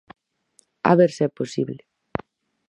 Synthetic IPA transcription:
a̰βeɾseɛposiβle

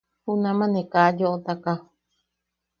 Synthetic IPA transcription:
hunãmãnẽkajoʔot̪aka

